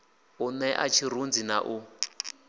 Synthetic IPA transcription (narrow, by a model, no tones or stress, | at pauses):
unɛʔat͡ʃʰiɾund͡zinaʔu